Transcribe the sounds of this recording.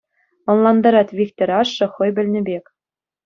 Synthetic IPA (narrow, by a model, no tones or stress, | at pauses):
ŏnlˠɑnd̪ɑɾɑt̪ʲvʲikt̪ʲoɾʲɑʂːɤ̆χɤ̆jbʲɘ̆lʲnʲɘ̆bʲekʲ